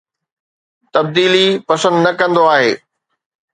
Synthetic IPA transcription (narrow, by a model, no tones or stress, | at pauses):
t̪ɐb̚d̪iːlipɐsə̃nd̪nɐkɐ̃nd̪oaːɦḛː